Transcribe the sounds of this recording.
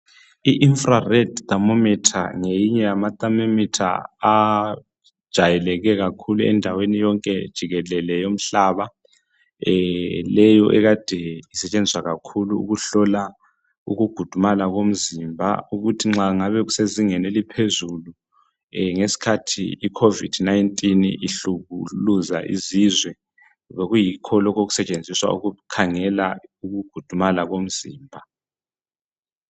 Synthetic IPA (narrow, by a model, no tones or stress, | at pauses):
iʔinfrarɛdtamɔmɛtʰa̰ŋejiɲɛjamatʼamemitʰa̰a | d̥ʒ̥ʱajɛlɛɣɛɣakʰuluɛ̰ndʱawenijɔŋkʼɛd̥ʒ̥ʱiɣɛlɛlɛjom̩ɬaːβa | lɛjɔʔɛɣad̥ʱɛisɛt͡ʃʼend͡ziswaɣakʰuluṵɣuɬɔla | uɣuɡ̥ʱud̥ʱumalaɣom̩zimbʱa̰uɣutʰiŋ͡ǁaŋaβɛɣuseziŋɛnelipʰezulu | ŋesi̥kʰatʰḭikʰovid̥najntʼiniɬuɣuluza̰ʔizizwɛ | βeɣujikʰɔlɔkoɣu̥sɛt͡ʃʼend͡zʱiswa̰uɣukʰaŋɛlauɣuɡ̥ʱud̥ʱumalaɣom̩ziːmbʱa